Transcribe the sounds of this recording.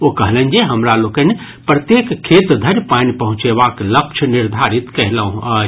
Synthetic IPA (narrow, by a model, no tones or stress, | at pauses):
okəɦlɛnd͡ʒeɦəmɾalokəne | pɾət̪jekʰːet̪d̪ʱəɾjpanipəɦũt͡ʃeβaklək̚t͡ʃʰniɾd̪ʱaɾit̪kəɦləũə